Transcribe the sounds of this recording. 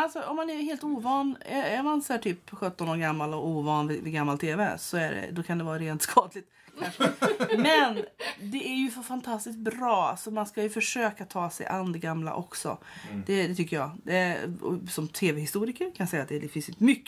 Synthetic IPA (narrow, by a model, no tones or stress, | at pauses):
alsɔɔmːanæɦeːlt̪uːvɑːnjɑjɑmansæːʈʰyːpɧœt̪ːɔnoːɾɡamːalɔuːvɑːnvɪvɪɡamːalt̪ʰeːvɛsɔæɖɛ̰d̪ɔkʰand̪ɛvɑːɾaɾeːnt̪skʰɑːd̪lɪt̪ | mɛnd̪ɛæɾjɵffant̪ʰast̪ɪskt̪̚bɾɑːa̰sɔmanskajɵfœʂøːkatt̪ʰɑːsɛ̰jʔa̰nd̪əɡamla̰ʔɔksɔ̰ | d̪̥ɛd̪ɛt̪ʰʏkːəjɑ̰ːd̪ɛɔ̰sɔmt̪ʰeːvɛhɪst̪uːɾɪkəɾkʰanjasɛjːat̪d̪ɛd̪ɛfɪnsjnt̪əmʏkː